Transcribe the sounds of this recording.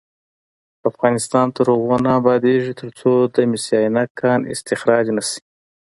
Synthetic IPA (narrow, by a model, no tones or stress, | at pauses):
afɣɑnɪst̪ɑnt̪aɾoɣonaːbɑd̪eʐit̪ʰəɾt͡sod̪əmɪsijɑjnakʰːɑnɪ̰st̪ɪxɾɑd͡ʒnasi̥